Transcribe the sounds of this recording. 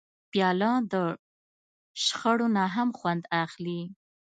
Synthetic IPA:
pjɑlɑ̃d̪ə | ʃxəɽonaɦamxwand̪axli

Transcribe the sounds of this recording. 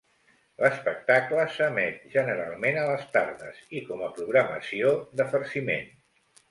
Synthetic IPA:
ləspək̚t̪akləsəmɛt̪ʒənəɾa̰lˠmenələst̪aɾðəzikɔməpɾuɣɾəmə̰siod̪əfəɾsimḛn

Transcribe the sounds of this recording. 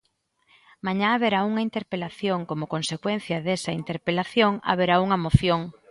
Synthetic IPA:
maɲaaβeɾauŋɐint̪eɾpelaθjoŋkomokonsekwen̟θjɐðesɐint̪eɾpelaθjoŋa̰β̞eɾauŋɐmoθjoŋ

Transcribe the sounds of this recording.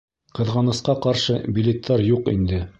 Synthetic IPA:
qɤ̆ðʁɑnɤ̆sqɑqɑɾʃɤbʲilʲet̪ʰːɑɾjuqḭnd̪ɘ

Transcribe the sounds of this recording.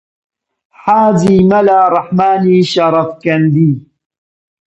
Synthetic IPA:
ħaːd͡ʒiːmalaːɾˤɑħmaːniːʃɑɾˤɑfkɐnd̪iː

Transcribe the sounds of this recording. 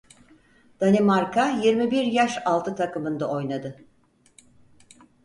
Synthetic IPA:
d̪̥animaɾkʰajiɾmibiɾjaʃalˠt̪ʰɯt̪ʰakʰɯmɯnd̪ao̞jnad̪ɯ

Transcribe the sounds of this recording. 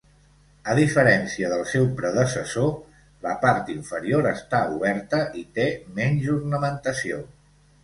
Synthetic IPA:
əð̞ifəɾɛnsiəðəlˠsɛwpɾəðəsəso | ləpaɾt̪iɱfəɾioɾəst̪auβɛɾt̪əʔit̪emɛɲʲʒurnəmənt̪əsio

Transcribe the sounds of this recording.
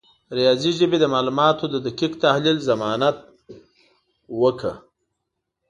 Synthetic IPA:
ɾijɑziʒəbed̪əmɑlumɑt̪od̪əd̪akikt̪ahlilzamɑnat̪̚ | wəkə̰

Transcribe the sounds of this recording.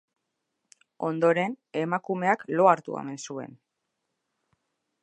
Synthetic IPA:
o̞nd̪o̞ɾe̞n | e̞makume̞aklo̞aɾt̪ṵḛmensue̞̰n

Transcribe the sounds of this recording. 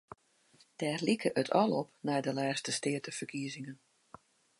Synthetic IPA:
d̥ɛːrlikʰəʔətʰɔlˠɔp̚nɛjdəlɛːstəstɪətəfərkʰiəzɪŋən

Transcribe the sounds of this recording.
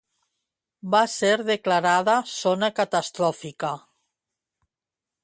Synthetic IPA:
baseɾðeklaɾaðasonakat̪ast̪ɾɔfika

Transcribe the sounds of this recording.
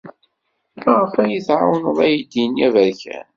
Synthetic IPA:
mæʁəfæjəθʕa̰wənəðˤæjid̪injævəɾçæ̰n

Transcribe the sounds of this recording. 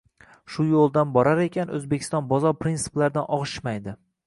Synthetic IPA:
ʃʊjolˠd̪anbɒɾaɾe̞kʲʰanɵ̰zbekʲʰɪ̥st̪ɒnbɒzɒɾpɾinsɪ̥plaɾd̪anʔɒʁʃɪ̥ʃmajd̪ɪ

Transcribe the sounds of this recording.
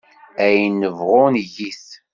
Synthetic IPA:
æjnːəvʁʊnʝiθ

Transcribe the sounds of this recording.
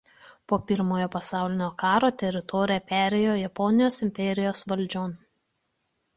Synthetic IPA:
poːpʲɪɾmoːjoːpɐsɑˑʊlʲɪnʲoːkɑːɾoːt̪ʲɛɾʲɪt̪ɔːɾʲɪjɛpʲæːɾʲejoːjɛpɔnʲɪjoːsɪmʲpʲɛɾʲɪjoːsʋɐlʲd͡ʒʲoːn

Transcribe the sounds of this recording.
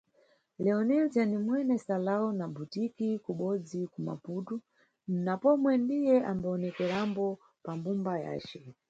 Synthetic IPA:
lɛɔnild͡ʒanimwɛnɛsalaunabutikikuɓɔd͡zikuma̰putu | napɔmwɛndijɛʔambaɔnɛkɛɾambɔ | pambumbaja̰ːt͡ʃɛ

